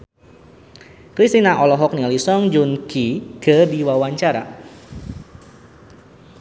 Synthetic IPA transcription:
kɾist̪inaʔɔlɔɦɔk̚nialisɔŋd͡ʒunkikədiwawaɲt͡ʃaɾa̰

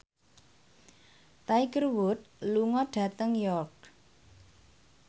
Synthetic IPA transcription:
t̪aiɡərwut̪̚luŋɔɖ̥ä̤t̪əŋjɔrk̚

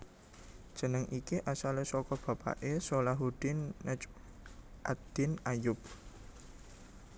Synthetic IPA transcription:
d̥ʒ̥ə̤nəŋʔikiʔasalesɔkɔb̥ä̤pa̰ʔesolaɦud̪̥inːət͡ʃ | ʔad̪̥ɪnajʊp̚

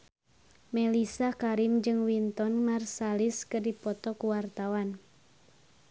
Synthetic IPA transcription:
mɛlisakaɾimd͡ʒɨŋwint̪ɔnmarsaliskɨrdipɔt̪ɔkuwart̪awan

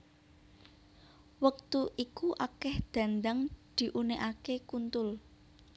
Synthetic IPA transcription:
wək̚t̪uʔikuʔakɛhd̪̥ä̤nd̪aŋd̪̥i̤ʔuneʔakekunt̪ʊl

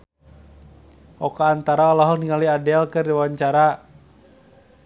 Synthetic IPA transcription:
ʔɔkaːnt̪aɾaɔlaɦɔniŋaliadɛalkɨrdiwwaɲt͡ʃaɾa

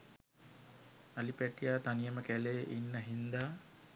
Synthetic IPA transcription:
alipæʈijaːt̪anijəməkæleʔinːəɦind̪aː

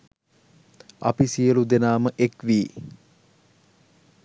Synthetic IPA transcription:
ɐ̰pisijəlud̪enaːməʔekʋiː

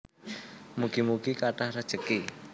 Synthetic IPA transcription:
muɡ̥imuɡikaʈahrəd̥ʒ̥əki

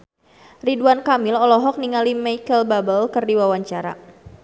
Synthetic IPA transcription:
riduankamɪlɔlɔɦɔk̚niŋalimajkəlbabəlkɨrdiwawaɲt͡ʃaɾa̰

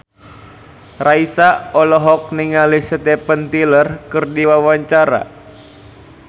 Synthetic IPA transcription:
raisaɔlɔɦɔk̚niŋalisət̪ɛpənt̪ilərkɨrdiwawaɲt͡ʃaɾa̰

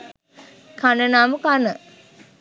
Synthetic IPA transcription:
kʰanənaːmukanə

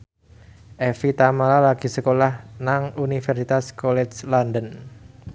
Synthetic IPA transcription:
ʔɛfit̪amalalaɡ̥isəkolahnaŋunifɛrsit̪askɔlɛt͡ʃlandən

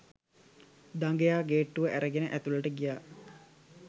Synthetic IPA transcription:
d̪aŋɡejaːɡeːʈːuʋəʔæɾəɡenəʔæt̪ulɐʈəɡijaː

